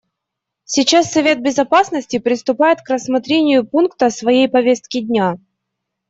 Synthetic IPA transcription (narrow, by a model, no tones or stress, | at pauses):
sʲɪt͡ɕasːɐvʲe̞t̪̚bʲɪzɐpasnəsʲtʲɪpɾʲɪst̪ʊpajɪt̪krəsmɐt̪ɾʲenʲɪjʊpunkt̪əsvɐjejpɐvʲe̞st̪kʲɪdʲnʲa